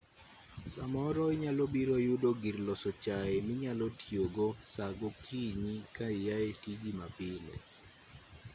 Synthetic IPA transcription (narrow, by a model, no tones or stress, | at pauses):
samɔɾɔiɲalobiɾojudoɡiɾlɔsɔt͡ʃaemɪɲalɔtʰjoɡosaɡokʰiɲikaijaetid͡ʒimapɪlɛ̰